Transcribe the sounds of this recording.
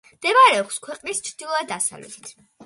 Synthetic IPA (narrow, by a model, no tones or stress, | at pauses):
md̪̥ɛmaɾɛɔkʰskʰwɛqʼnist͡ʃʰɾd̪ilˠɔad̪d̪asa̰vlɛ̰t̪ʰi̥t̪ʰ